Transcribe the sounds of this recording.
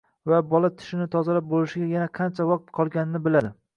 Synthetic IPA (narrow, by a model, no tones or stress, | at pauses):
vabɒlat̪ʰɪ̥ʃɪnɪt̪ʰɒzalap̚bolɪʃɪɡʲajanaqʰɑnt͡ʃʰavɒq̚t̪qʰɒlˠɡʲanɪnɪbɪlad̪ɪ